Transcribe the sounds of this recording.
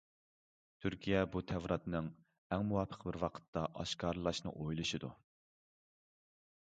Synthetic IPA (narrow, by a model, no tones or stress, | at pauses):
t̪ʰyɾkʲʰijɛbut̪ʰɛvɾɑt̪nɨŋ | ɛŋmuwɑpʰə̥qbɪɾwɑqʰə̥t̪ʰːɑʔɑ̰ʃkʰɑɾlˠɑʃnɨ̰ʔojlˠɨʃid̪ṵ